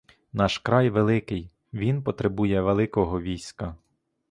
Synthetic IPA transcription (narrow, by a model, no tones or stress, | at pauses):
nɑʃkɾɑjʋelˠɪkɪj | ʋʲinpɔt̪ɾebujɛʋelˠɪkɔɦɔʋʲijsʲkɐ